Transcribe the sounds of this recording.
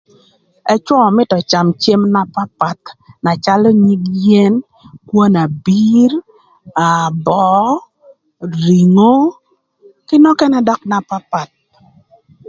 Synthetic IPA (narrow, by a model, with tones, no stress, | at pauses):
ɛ˦t͡ʃwɔ˦˨mɪ˦tɔ˨t͡ʃa˨mt͡ʃe˦mna˨pa˦pa˨t̪na˨t͡ʃa˦lɔ˦ɲi˦ɡje˦n | kwo˦na˨bi˦ɾ | a˨bɔ˦ | ɾi˨ŋo˦ | kɪ˦nɔ˦kɛ˦nɛ˦dɔ˦kna˨pa˦pa˨t̪̚